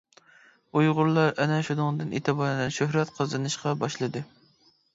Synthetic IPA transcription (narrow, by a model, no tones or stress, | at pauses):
ujʁʊɾlˠɑɾɛnɛʃud̪ʊŋɨd̪ɨnʔḛt̪ʰɨbɑɾnɛʃøhɾɛt̪qʰəzɨnɨʃqɑbɑʃlˠɨd̪ɨ